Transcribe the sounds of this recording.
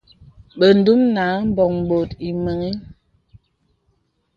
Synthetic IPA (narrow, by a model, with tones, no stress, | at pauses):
ɓə˨n̩˦du˦mna˨˦m̩˦bɔ˨ŋm˨bo˨ti˨mə˨ŋi˦